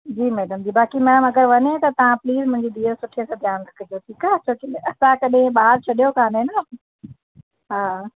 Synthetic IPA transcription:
d͡ʑiːmɛːɖəmd͡ʑiːbaːkimɛːɽəmɐɡəɾʋɐɲet̪ɐt̪ɐʋ̤ãpliːzmʊ̃ɦɪ̃ɲd͡ʑid̪ʱiːəɾsʊʈʰiesãːd̪ʱjaːnɾɐkʰəd͡ʑoʈʰiːkat͡ɕʰoːʈiɐsãkɐɗɦẽɓaːɦəɾt͡ɕʰɐɗijokʰãːnʱẽna | ɦaː

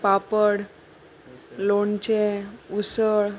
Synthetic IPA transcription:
papəɽ | lont͡ɕeusəɭ

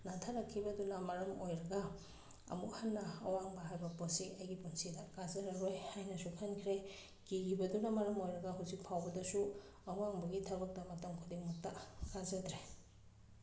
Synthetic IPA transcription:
natʰaɾɐkʰːibɐdunɐmɐɾɐmojɾɐɡɐ̰ː | muk̚hanːɐːwaŋbɐɦajbɐposiɐjɡipunsidɐkazɐɾɐɾojhajnɐsukʰɐnkʰɾe | kiɡibɐdunɐmɐɾɐmojɾɐɡɐɦuwzik̚pʰawbɐdɐsu | ɐwaŋbɐɡitʰɐbɐk̚dɐmɐtɐmkʰudiŋmuk̚takazɐdɾe

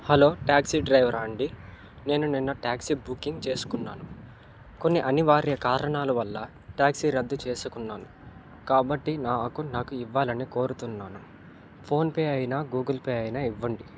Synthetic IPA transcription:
hɐlo̞ːʈaːksiɖɾɐjʋɐɾaːɳɖi | ne̞ːnuninːɐʈaːksibukːiŋɡt͡ʃe̞ːsu̥kunːa̰ːnu | ko̞nːiʔɐniʋaːɾjɐkaːɾɐɳaːlɐʋɐlːɐ | ʈjaːksiɾɐd̪ːut͡ʃe̞ːsukunːaːnu | kaːbɐʈːinaːkunaːkuiʋːaːlɐniko̞ːɾut̪unːaːnu | pʰo̞ːnpeːjɐjnaːɡuːɡɐlpeːɐjinaːiʋːɐɳɖi

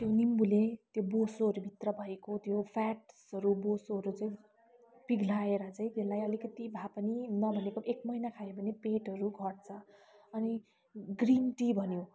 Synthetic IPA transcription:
t̪jonimbulẽt̪jobosoɦʌɾubʱit̪rʌbʱʌekot̪jopʰaʈsʌɾubosoɦʌɾut͡saĩ | piɡʱlaeɾʌt͡saĩt̪elajʌlikʌt̪ibʱapʌninʌbʱʌnekoekmʌjnakʰajobʱʌnepeʈʌɾuɡʱʌɽt͡sʰʌʌni | ɡrinʈibʱʌnjo

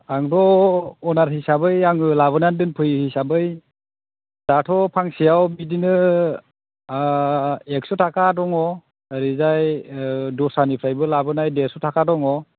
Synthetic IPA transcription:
aŋdɔɔnaɾhisabɯjaŋɯlaβɯnandɯnpʰɯjhisabɯj | d̥atʰɔpʰaŋsijawbidinɯ | ek̚sɔtʰakadɔŋɔ | ɾizaj | dɔsanipʰɾajbɯlabɯnajdeɾsɔtʰakadɔŋɔ

